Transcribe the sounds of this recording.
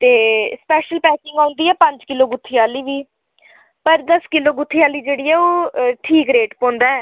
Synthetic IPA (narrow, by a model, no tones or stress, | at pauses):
t̪eːspɛːʃəlpɛːkɪ̃ŋɡãːʊ̃nd̪iːɛːpə̃ɲd͡ʒkɪloːɡʊt̪ʰːijaːliːʋiː | pəɾd̪əskɪloːɡʊt̪ʰːiːaːliːd͡ʒeːɽiːɛːoːʈʰiːkɾeːʈpɔ̃ːnd̪aːɛː